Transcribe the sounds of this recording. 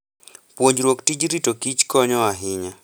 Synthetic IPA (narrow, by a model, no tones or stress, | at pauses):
pwoɲd͡ʒɾwoktid͡ʒɾitokit͡ʃkɔɲɔaɦɪɲa